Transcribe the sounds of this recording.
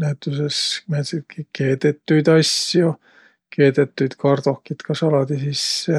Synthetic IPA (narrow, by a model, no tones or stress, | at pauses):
næt̪ːysesmet̪sit̪kikeːt̪et̪ːujt̪ɑsːjo | keːt̪et̪ːuit̪kɑrt̪okːit̪kʰɑsɑlɑt̪isisːe